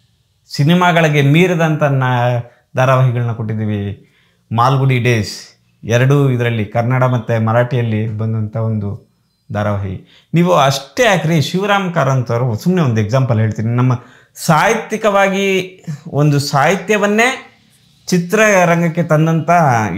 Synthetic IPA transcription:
sinimaːɡɐɭɐɡe̞miːɾɐd̪ɐnt̪ɐnːɐ | d̪aːɾɐʋɐɦiɡɐɭɐnːɐkoʈːid̪iːʋi | maːlɡuɽiɖe̞ːs | ɛɾɐɽuid̪ɐɾɐlːikɐɾnaɽɐmɐt̪ːemɐɾaːʈijɐlːibɐnd̪ɐnt̪ʰɐo̞nd̪u | d̪aːɾɐʋɐːɦḭ | niːʋuɐʂʈeaːkiɾeʃiʋɐɾaːmkaːɾɐnt̪ɐʋɾusumːneond̪ueɡzaːmpɐlɦe̞ːɭt̪iːninɐmːɐ | saːɦit̪jikɐʋaːɡi | ond̪usaːɦit̪jɐʋɐnːe̞ː | t͡ʃit̪ɾɐɾɐŋɡɐkːe̞t̪ɐnd̪ɐnt̪ɐ

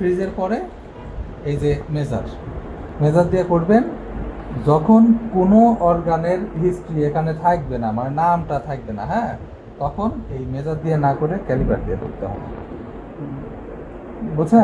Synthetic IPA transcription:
pʰɾizeɾpɔɾe | ejzemed͡ʑa̰ɾ | mezad̪ijakoɾben | d͡ʑɔkʰonkonoɔɾɡaneɾɦisʈɾiekanet̪ʰak̚benamanamʈat̪ʰak̚bena̰ɦɛ̃ | t̪ɔkʰonejmezadd̪ianakoɾekɛlibaʈ̚d̪ija̰ko̰ɾt̪eɦɔ̰bḛ | bot͡ɕʰe

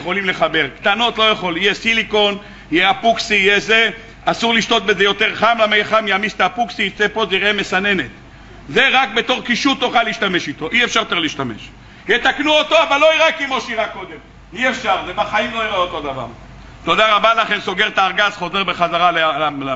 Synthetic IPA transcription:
jeχo̞limle̞χabe̞ʁkt̪ano̞t̪lo̞jaχo̞lijesiliko̞n | ijeapuksiːjeze | asuʁliʃt̪o̞t̪̚be̞zejo̞t̪e̞ʁχamlamejχamjamist̪aːpuksiit͡sepo̞ziʁʔeme̞sane̞ne̞t̪ | ze̞ʁak̚be̞t̪o̞ʁkiʃut̪oχaliʃt̪ame̞ʃit̪o̞ʔiefʃaʁt̪eʁliːʃt̪ame̞̰ʃ | jet̪aknuot̪o̞avalːo̞iʁekimo̞ʃiʁako̞d̪em | iefʃaʁzebaχaimlo̞iʁeot̪o̞d̪ava̰ʁ | t̪o̞d̪aʁabalaχe̞mso̞ɡe̞ʁt̪aːʁɡazχo̞ze̞ʁbe̞χazaʁala

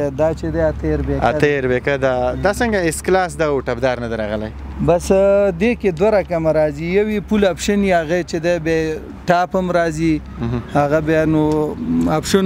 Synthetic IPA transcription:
d̪ɑt͡ʃed̪eat̪əɾbea̰əɾbekad̪ad̪asəŋɡaɪsklɑs̬d̪awʈapd̪ɑɾnad̪aɾɑɣəla̰j | basd̪eked̪waɾakamaɾɑzijawipulapʃəniaɣat͡ʃed̪ebe | ʈɑpamɾɑzi | haɣabjanoapʃən

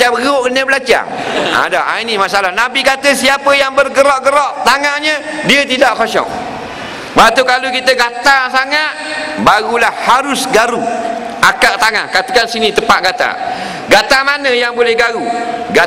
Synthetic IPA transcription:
abɣəoʔkənəbəlad͡ʒa̰a̰da̰a̰inimasaʔlanabikat̪əsiapəjaŋbərɡəɾɔʔɡəɾɔʔt̪aŋahɲə | diət̪idaʔkɔʃɔ̰ʔ̚ | bat̪ukalukit̪əɡat̪asaŋat̪̚baɣulahhaɾʊsɡaɾu | akaʔt̪aŋa̰hkat̪əkansinit̪əpaʔ̚ɡat̪a̰ | ɡat̪amanəjaŋbolɛhɡaɾuɡa

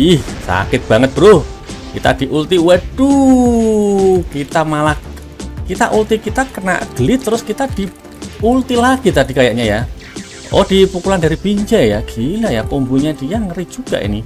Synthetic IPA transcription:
ihsa̰kɪt̪̚b̥a̤ŋət̪̚b̥əɾuhkit̪a̰d̪̥iʔult̪iwɛdu | kit̪amala | kit̪a̰ʔult̪ikit̪akəna̰ʔɡ̥əlɪt̪ːəɾʊskit̪ad̪̥i | ult̪ilaɡ̥it̪adi̤kajaʔɲaja | ɔ̰d̥ipukulandaɾibiɲt͡ʃɛjaɡ̥ilajakumbuɲad̥ijaŋəɾi̥ʒ̥uɡ̥a̰ʔḭni

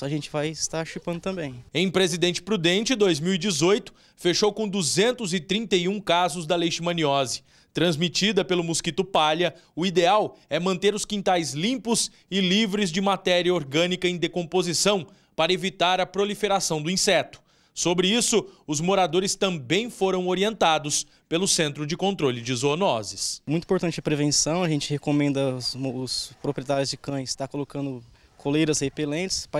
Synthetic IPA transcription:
ɐʒẽnt͡ʃɪvajst̪aʃipɐ̃nd̪ʊt̪ɐ̃mbẽj̃ẽj̃pɾezid̪ẽnt͡ʃɪ̥pɾud̪ẽnt͡ʃɪd̪ojzmiwid͡ʒɪzojt̪ʊ̥ | feʃowkõd̪uzẽnt̪ʊzɪt̪ɾĩnt̪ejũkazʊzd̪ɐlejʃɪmɐ̃niɔzɪ̥ | t̪ɾɐ̃zmit͡ʃid̪ɐpelʊmuskit̪ʊpaʎɐʊid̪eawɛmɐ̃nt̪eɾʊskĩnt̪ajzlĩmpʊs | ɪlivɾɪzd͡ʒɪmat̪ɛɾiɐoɾɡɐ̃nikɐẽj̃d̪ekõpozisɐ̃w̃ | paɾɐevit̪aɾɐpɾolifeɾasɐ̃w̃d̪ʊĩsɛt̪ʊ̥ | sobɾɪisʊʊzmoɾad̪oɾɪst̪ɐ̃mbẽj̃foɾɐ̃w̃oɾiẽnt̪ad̪ʊs | pelʊsẽnt̪ɾʊd͡ʒɪkõnt̪ɾolɪd͡ʒɪzonɔzɪsmũt̪ĩpoɾt̪ɐ̃nt͡ʃɛpɾevẽsɐ̃w̃ɐʒẽnt͡ʃɪhekomẽnd̪ɐʊspɾopɾiet̪aɾjʊzd͡ʒɪkɐ̃ɪst̪akolokɐ̃nd̪ʊ | kʰolejɾɐshepelẽnt͡ʃɪ̥sp

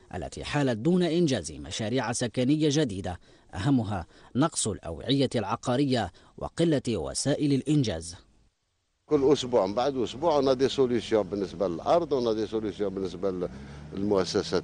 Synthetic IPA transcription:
ʔa̰lːæ̰t̪ḭħaːlat̪̚d̪uːnaʔɪnʒæːzma̰ʃaɾiːʕasakanɪjːaʒad̪iːd̪a | ʔa̰hamːʊɦanɑqsˤʊlʔa̰wʕɪjːalʕɑqɑɾɪjːa | wʔɑ̰qɨlːawa̰saːʔɪləlʔɪnʒæ̰ːz | kʊlːʔʊsbuʕbaʕd̪ʔʊsbuʕwənæd̪esolysjɔ̃bənːəsbaləlʔɑɾˤd̪ˤwənːæd̪isolusjɔ̃bənːəsballmʊʔæsːæsæt̪

